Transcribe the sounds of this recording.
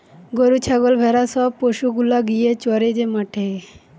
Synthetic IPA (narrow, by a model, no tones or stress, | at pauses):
ɡoɾut͡ɕʰaɡolbʱɛɾasɔb̚poʃuɡulaɡijet͡ɕɔɾed͡ʑemaʈʰe